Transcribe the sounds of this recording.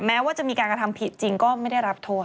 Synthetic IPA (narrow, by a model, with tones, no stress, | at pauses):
mɛː˦˥waː˥˩t͡ɕa˨ʔmiː˧kaː˧nkɾa˧t̪ʰa˧mpʰi˨˩t̪̚t͡ɕi˧ŋkɔː˥˩ma˥˩jda˥˩jɾa˦˥p̚t̪ʰo˥˩